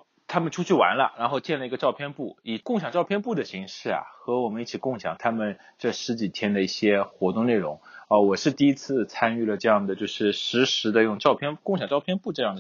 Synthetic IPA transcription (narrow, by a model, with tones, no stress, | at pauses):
t̪ʰa˥mə˨nʈ͡ʂʰu˥t͡ɕʰy˥˩wa̰˧˥nlə̰˧ɻa˧˥nxo˥˧ʊt͡ɕjɛ˥˩nlə˩i˧˥ɡə˧ʈ͡ʂɑ˥˧ʊpʰjɛ˥˧npu˥˩i˨˩kʊ˥˩ŋɕjɑ˨˩ŋʈ͡ʂɑ˥˧pʰjnpu˥˩d̪ə˩ɕi˧˥ŋʂɻ̩˥˩ɐ̰˩xɤ˧˥wɔ˨˩mə˦ni˥˩t͡ɕʰi˨˩kʊ˥˩ŋɕjɑ̰˨˩ŋt̪ʰa˥mə˨n | ʈ͡ʂɤ˥˩ʂɻ̩˧˥t͡ɕi˨˩t̪ʰjɛ˥nd̪ə˨i˥˩ɕjɛ˥xwɔ˧˥t̪ʊ˥˧ŋne˥˩ɪɻʊ˧˥ŋə˧˩wɔ˨˩ʂɻ̩˥˧t̪i˥˩˧i˥t͡sʰɹ̩˥˩t͡sʰa˥ny˥˩lə˩ʈ͡ʂɤ˥˧jɑ˥˩ŋd̪ə˩t͡ɕjo˥˧ʊʂɻ̩˥˩ʂɻ̩˧˥ʂɻ̩˧˥d̪ə˧jʊ˥˧ŋʈ͡ʂɑ˥˧ʊpʰjɛ˥˧nkŋɕjɑ˨˩ŋʈ͡ʂɑ˥˧ʊpʰjɛ˥˧npu˥˧ʈ͡ʂɤ˥˧jɑ˥˩ŋd̪ə˩